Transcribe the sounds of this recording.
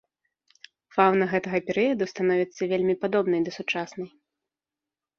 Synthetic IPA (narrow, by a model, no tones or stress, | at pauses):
fawnɐɣɛt̪ɐɣɐpʲɛɾɨjɐd̪ust̪anɔvʲit̪sːɐvʲelʲmʲipad̪ɔbnɐjd̪ɐsut͡ʂasnɐj